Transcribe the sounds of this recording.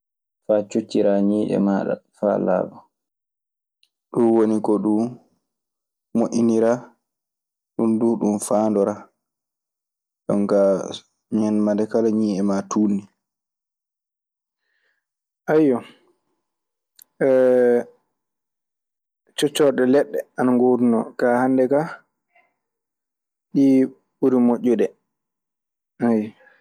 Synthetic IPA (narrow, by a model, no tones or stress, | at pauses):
fat͡ʃut͡ʃːiɾaːɲiːʔɛ̰maɗa̰fa̰la̰ːbɔ | ɗunwonikɔɗu | moʔiniɾaː | ɗunduːɗunfaːndɔɾa | ɗɔ̰ŋka | ɲɛnmandɛkalaɲiːʔɛmatʰuːnːi | ʔajɔ | t͡ʃɔt͡ʃːɔɗɛlɛɗːɛanaŋɡoːdunɔkahandɛka | ɗi | ɓuɾimoʔːuɗɛ | aj